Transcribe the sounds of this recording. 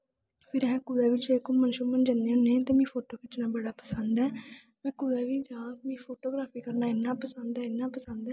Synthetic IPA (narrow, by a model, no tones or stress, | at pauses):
pʰɪɾɛɦɛ̃ːkʊɾɛːʋɪt͡ʃeːkʊmənʃuːmənd͡ʒənːãːnẽːt̪eːmĩːpʰoːʈoːkɪt͡ʃnaːbəɽaːpəsənd̪ɛː | mɛ̃ːkʊɾɛːʋiːd͡ʒãːmĩːpʰoːʈoːɡɾaːpʰiːkəɾnãːɪnːãːpəsənd̪ɛːɪnːãːpəsənd̪ɛː